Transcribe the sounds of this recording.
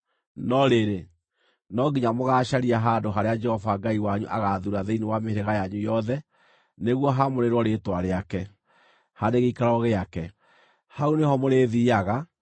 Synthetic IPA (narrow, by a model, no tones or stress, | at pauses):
nɔɾeɾe | nɔɡiɲamoɣaːʃaɾiaɦaːndoɦaɾead͡ʒɛhɔvaɡaiwaɲuʔaɣaðuɾaðeiniwamehɾeɣajaɲujɔðɛ | neɣwɔɦamoɾeɾwɔɾetwaɾeakɛ | hadeɣeikaɾɔɣeakɛ | haunehɔmoɾeðiaɣa